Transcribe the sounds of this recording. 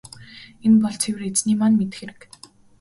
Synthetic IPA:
empɔɮt͡sʰewɘ̆ret͡sniːmanmet̪ɘ̆xeɾɘ̆k

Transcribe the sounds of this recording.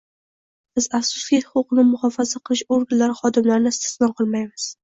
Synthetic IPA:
b̥ɪzafsʊ̥sɡʲihʊqʊqnɪmʊχɒfazaqʰɨlˠɪʃoɾɡʲanlaɾɪχɒd̪ɪmlaɾnɪst̪ɪ̥slɒnqʰɨlˠmajmɪz̥

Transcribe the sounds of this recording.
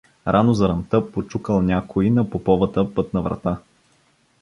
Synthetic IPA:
ɾʔanozɐɾɐmt̪ɤpot͡ʃukəlˠnʲakʰoinɐpopɔvət̪əpɤt̪nɐvɾɐ̰t̪a

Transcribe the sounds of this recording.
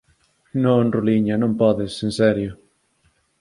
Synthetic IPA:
nõnruliɲanõmpɔðɪsensɛɾjʊ

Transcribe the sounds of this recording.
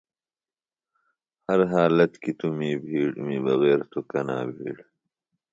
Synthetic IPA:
hɐɾɦaːlɐt̪kit̪umiːbʱiːɽmibɐɣeːɾt̪ʰukɐnaːbʱḭːɽ

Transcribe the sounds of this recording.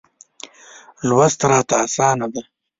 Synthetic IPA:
lwazt̪ɾaːt̪aːsaːnad̪a

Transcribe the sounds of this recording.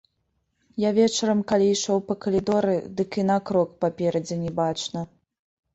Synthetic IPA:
javʲɛt͡ʂɐɾɐmkalʲiiʂɔwpɐkɐlʲid̪ɔɾɨd̪ɨkinakɾɔkpapʲɛɾɐd͡zʲɛnʲɛbat͡ʂnɐ

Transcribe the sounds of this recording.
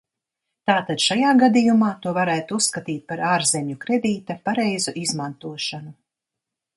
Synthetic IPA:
t̪aːt̪ad̪̥ʃajaːɡad̪ijumaːt̪uɔvaɾæːt̪usːkat̪iːt̪̚paɾaːɾzɛmʲukɾɛd̪iːt̪apaɾɛjzuʔizmant̪uɔʃanu

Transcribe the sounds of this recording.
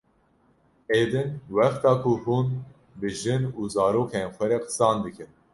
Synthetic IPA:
eːd̪ɨnwɛxt̪ɑːkʰʊhuːn | bɨʒɨnuːzɑːɾoːkʰenxʷɛɾɛqɨ̥sɑːnd̪ɨkʰɨn

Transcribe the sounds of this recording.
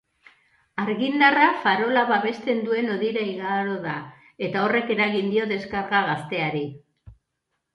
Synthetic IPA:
aɾɣind̪arafaɾo̞laβaβe̞st̪e̞nd̪ue̞no̞ðiɾajɣaɾo̞ða | e̞t̪ao̞re̞ke̞ɾaɣind̪io̞ðe̞skaɾɣaɣast̪e̞aɾi

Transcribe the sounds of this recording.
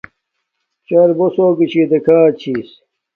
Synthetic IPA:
t͡ɕɐɾbosoːkit͡ɕʰid̪ɐkʰaːt͡ɕʰiːs

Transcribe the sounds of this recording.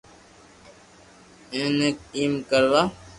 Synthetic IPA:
enekimkəɾʋa

